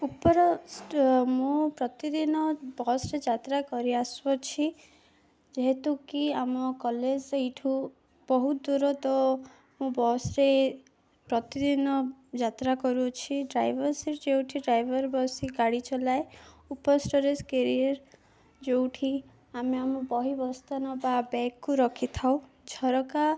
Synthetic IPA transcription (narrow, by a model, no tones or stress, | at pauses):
upɔɾɔ | mũpɾɔt̪id̪inɔbɔsɾed͡ʒat̪ɾakɔɾiasbɔt͡ʃʰi | d͡ʒeɦet̪ukiamɔkɔled͡ʒiʈʰu | bɔɦud̪uɾɔt̪ɔ | mũbɔsɾe | pɾɔt̪id̪inɔd͡ʒat̪ɾakɔɾut͡ʃʰiɖɾajbʱɔɾsiɾd͡ʒewʈʰiɖɾajbʱɔɾbɔsiɡaɽit͡ʃɔlaeupɔsʈoɾeskeɾiaɾ | d͡ʒewʈʰi | ameamɔbɔɦibɔst̪anɔbabɛkːuɾɔkʰit̪ʰaw̃ | d͡ʒʱɔɾɔka